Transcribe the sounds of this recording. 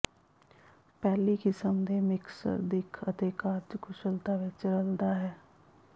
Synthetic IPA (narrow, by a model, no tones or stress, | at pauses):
pɛːlikɪsəmd̪eːmɪksə̰ɾd̪ɪkʰət̪eːkaːɾd͡ʒkʰʊʃəlt̪aʋet͡ʃəɾəld̪aɦɛː